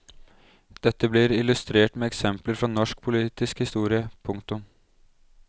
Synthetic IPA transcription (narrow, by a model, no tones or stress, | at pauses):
d̪̥ɛt̪ːəblɪɾɪlʉst̪ɾeːʈmeːɛksɛmpləɾfɾɑnɔʂk̚pʰʊliːt̪ɪskhɪst̪uːɾɪəpʰʊŋkt̪ʊm